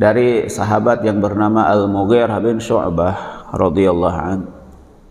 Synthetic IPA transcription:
daɾisaɦabat̪jaŋbərnamaʔalmoɣɪrhabɪnʃɔ̰ʕbahrɑd̪ialːɑɦa̰n

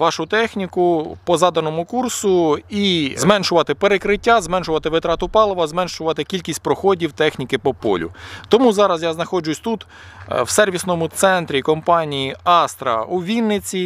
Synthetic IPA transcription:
ʋɑʃʊt̪ɛxnʲikʊpɔzɑd̪ɐnɔmʊkursʊizmɛnʃʊʋɑt̪ɪpeɾekɾɪtʲːazmɛnʃʊʋɐt̪ɪʋɪt̪ɾɑt̪ʊpɑlˠɔʋɐzmɛnʃʊʋɑt̪ɪkʲilʲkʲisʲtʲpɾɔxɔdʲiwt̪ɛxnʲikɪpɔpɔ̰lʲʊ̰t̪ɔmuzɑɾɐzjaznɐxɔd͡ʒʊsʲt̪ut̪ | wsɛrʋʲisnɔmʊt̪sɛnt̪ɾʲikɔmpɑnʲijiɑst̪ɾɐ̰uʋʲinːɪt͡sʲi

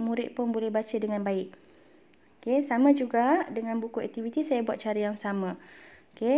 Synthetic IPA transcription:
mũɾɪt̪̚pʊnbolɛhbat͡ʃədəŋãnbaɪʔ̚ | okesamãd͡ʒuɡadəŋãnbukuɛk̚t̪ivit̪isajabuat̪̚t͡ʃaɾəjaŋsamãoke

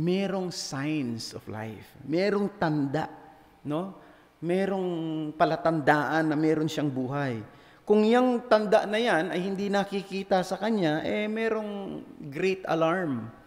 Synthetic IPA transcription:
mɛːɾo̞ŋsajnsofla̰jfmɛːɾo̞ŋt̪ɐnd̪a̰ʔ | no̞ | mɛːɾo̞ŋpɐlɐt̪ɐnd̪aːʔɐnːɐmɛːɾonʃaŋbuːɦaj | kʊŋjaŋt̪ɐnd̪aʔnɐjanɐjhɪnd̪inɐkikiːt̪ɐsɐkɐɲaʔɛmɛːɾo̞ŋɡɾejt̪ɐ̰laɹm

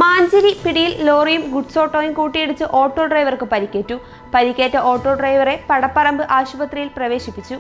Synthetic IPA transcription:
maːɲd͡ʑɐɾipiɽijilloːrijumɡuʈso̞ːʈːoːjinkuːʈːijeɽut͡ɕːɨʔo̞ːʈːo̞ːɖrɐjʋɐrkɨpɐɾikʲːeːtːu | pɐɾikʲːeːtːɐʔoːʈːo̞ːɖrɐjʋɐre̞pɐɽɐpːɐrɐmbɨʔaːɕubɐt̪rijilprɐʋe̞ːɕipːit͡ɕːu

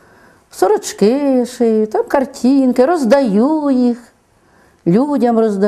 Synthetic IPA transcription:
sɔɾɔt͡ʃkɪʃɪt̪amkɐrtʲʰinkɪɾɔzd̪ɐjujix | lʲudʲɐmrɔzd̪ɐ

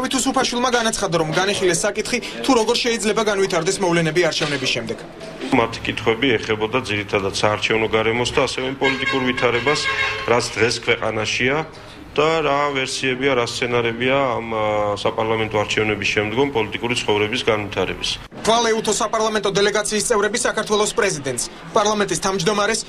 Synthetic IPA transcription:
avit̪ʰusupʰaʃwilˠmaɡanat̪sʰχad̪aɾɔmɡaniχilɛsːakʼit̪χit̪ʰuɾɔɡɔɾʃɛid̪zlɛbaɡanvit̪ʰaɾd̪ɛsmɔvlɛnɛbiaɾt͡ʃʰɛvnɛbisʃɛmd̪ɛɡ̥ | mat̪ʰi̥kʼit̪ʰχwɛbiɛχɛbɔd̪ad̪ziɾit̪ʰad̪ad̪̥saːɾt͡ʃʰɛvnɔɡaɾɛmɔsd̪aːsɛvɛimpʼɔlit̪ʼikʼuɾvit̪ʰaɾɛbasɾat̪sʰd̪ʁɛskʰvɛqʼa̰naʃia | d̪̥aɾavɛɾsiɛbiaɾast̪sʰɛnaɾɛbiaːmsapʼaɾlˠamɛnt̪ʼɔaɾt͡ʃʰɛvnɛbisʃɛmd̪ɡɔmpʼɔlit̪ʼikʼuɾit̪sʰχɔvɾɛbisɡanvit̪ʰaɾɛbis | χʰvalˠɛut̪ʰɔsapʼaɾlˠamɛnt̪ʼɔd̪ɛlɛɡat̪sʰiːst̪sʼɛvɾɛbisakaɾt̪ʰwɛlˠɔspʼɾɛzid̪ɛnt̪s | pʼaɾlˠamɛnt̪ʼist̪ʰavmd͡ʒd̪ɔmaɾɛs

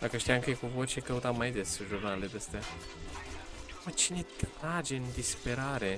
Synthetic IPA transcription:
d̪akəʃt̪ijaŋkejkuvo̞t͡ʃekəut̪amajd̪e̞sʒurnaled̪est̪ea | mət͡ʃine̞t̪ɾad͡ʒe̞ɨnd̪ispe̞ɾaɾe̞

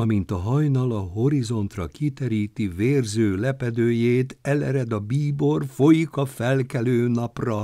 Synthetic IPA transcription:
ɒmint̪ɒɦɒjnɒlɒɦo̞ɾizo̞nt̪rɒkit̪ɛɾiːt̪iveːrzøːlɛpɛd̪øːjeːt̪ɛlɛɾɛd̪ɒbiːbo̞rfo̞jikɒfɛlkɛløːnɒprɒ

